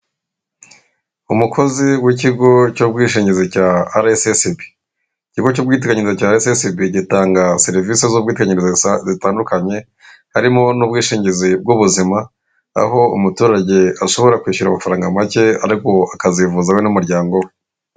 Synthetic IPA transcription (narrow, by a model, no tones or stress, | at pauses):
umukʰo̞ziwiciɡo̞cobɡiːʃiːɲɟizicaaɾesesibi̥ | iciɡocuːbɡiːt̬ekaɲiɾizicaːɾesesibiɟitaːŋɡase̞ɾivisezubɡiːtekaɲiɾizezitaːndukaɲe̞ | haɾimo̞nuβ̚ɡiːʃiːɲɟizib̚ɡuβuzima | a̰ho̞ṵmutuːɾaɟe̞aʃo̞βo̞ɾakwiːʃuɾamafaɾaːŋɡamace̞a̰ɾiko̞akazivuzawenumuɾɟaːŋɡo̞we